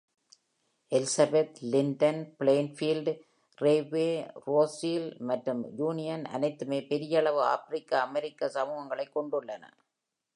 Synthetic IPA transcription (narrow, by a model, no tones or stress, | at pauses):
ɛlsɐbet̪lɪɳɖɐnpɪɭeːnfiːlɖ | reːʋeːɾoːsiːlmɐʈrɯmjuːnɪjɐnɐ̰nɐɪt̪ːɯmeːpɛɾɪjɐɭɐʋɯa̰ːfɾɪkːaːmɛɾɪkːɐsɐmuːɣɐŋɡɐɭɐɪkːɔɳɖʊɭːɐnɐ̰